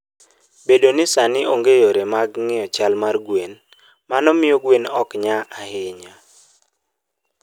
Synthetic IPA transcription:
bedonɪsanɪʔoŋɡejoɾemaɡŋɪɔt͡ʃalmarɡwen | manɔmɪoɡwenɔkɲaahɪɲa

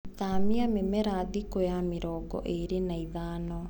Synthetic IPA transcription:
tamiamemɛɾaðikojameɾɔːɡɔ̰ʔeɾenaiðaːnɔ

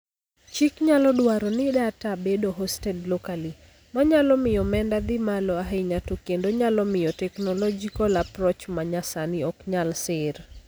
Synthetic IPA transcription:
t͡ʃikɲalɔɗwaɾɔnɪɗatabedoɦɔstɛdlɔkali | maɲalɔmɪjɔmɛndad̪ɪmalɔaɦeɲatokendoɲalɔmɪjɔtɛknɔlɔd͡ʒikɔlapɾɔt͡ʃmaɲasanɪɔkɲalsɪr

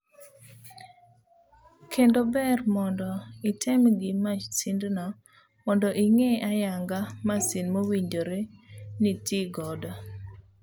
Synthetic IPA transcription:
kʰendobɛrmɔndɔitʰɛmɡɪmat͡ʃsindnɔ | mɔndɔʔiŋeajaŋɡamasinmowiɲd͡ʒoɾenitiɡɔdɔ

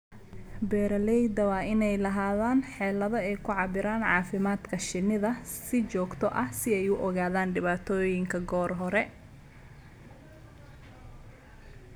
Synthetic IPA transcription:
bɛːɾɐlɛjd̪ɐwɑːɪnɛjlɐɦaːðaːnħɛːlɐðɔɛjkʰʊʕɑbɪɾaːnʕɑːfɪmaːd̪kʰɐʃɪnɪðɐsɪt͡ʃɔːɡt̪ʰɔʔɐhsɪɛjʊʔɔɣaːðaːnɖɪβaːt̪ʰɔːjɪŋkʰɐɡɔːrɦɔɾɛ

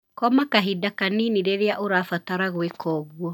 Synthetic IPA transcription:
kɔmakaɦidakaniniɾeɾeaʔoɾaːfataɾaɣwekʰɔːɣuɔ

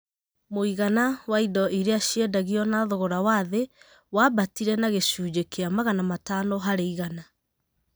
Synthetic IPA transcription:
moiɣanawaidɔʔiɾeaɕiɛdaɣiɔnaðoɣoɾawaðe | wabatiɾɛnaɣeɕuːd͡ʑekeamaɣanamatanoɦaɾeiɣana

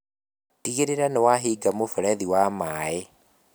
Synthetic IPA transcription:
tiɣeɾeɾaneɛwaɦiːɡamofɛɾɛðiwamaːe

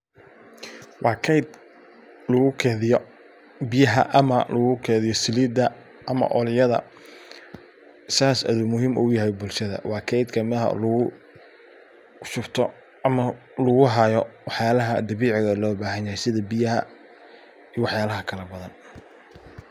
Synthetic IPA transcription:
wʔɑːkʰɛjd̪̚ | lɐɣʊkʰɛːðɪjɔ | bɪjɐɦɐ̰ʔɐmɐlʊɣʊkʰɛːðɪjɔsɪliːd̪ɐ | ʔɐmɐ̰ʔɔlɪjɐðɐ̰ | saːsɐ̰ðʊmʊɦiːmʔʊjɐɦɛjbʊlʃɐðɐ̰wɑːkʰɛjd̪kʰɐmɪðɐɦɐ̰lʊɣʊ | ʃʊrt̪ʰɔ | ɐmɐ | lʊɣʊɦaːjɔwɑħjaːlɐɦɐd̪ɐβiːʕɪɣɐlɔːbaːɦɐnjɐhɛjsɪðɐbɪjɐɦɐ̰ | iːwɑħjaːlɐɦɐkʰɐlɐbɐðɐn

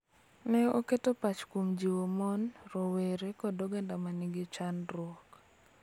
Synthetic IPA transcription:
nɛoketopat͡ʃkomd͡ʒiwomɔnɾɔweɾekɔdɔɡɛndamanɪɡɪt͡ʃanɾwɔk

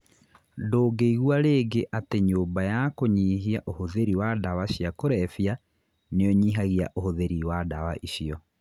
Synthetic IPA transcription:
doːɡeiɣwaɾeːɡeʔateɲoːmbajakoɲiːɦiaʔohoðeɾiwadawaɕiakoɾɛfia | nejɔɲiːɦaɣia̰ʔohoðeɾiwadawaʔiɕiɔ

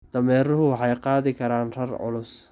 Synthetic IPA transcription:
d̪̥ɐmɛːɾʊɦʊwɑħɑjqɑːðɪkʰɐɾaːnrɐrʕʊ̰lʊs

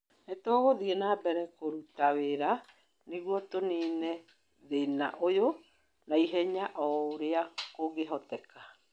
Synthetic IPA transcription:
ɛtɔɣoðiɛnaːbɛɾɛkoɾutaweɾa | neɣwɔtoneːnɛ | ðena̰ʔojo | naiɦɛɲaʔɔɾeakoɣeɦɔtɛka

